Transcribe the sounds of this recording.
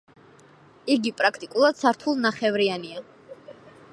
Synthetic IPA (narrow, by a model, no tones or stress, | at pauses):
iɡipʼɾakʰt̪ʼikʼulˠad̪̥saɾt̪ʰulˠnaχɛvɾiania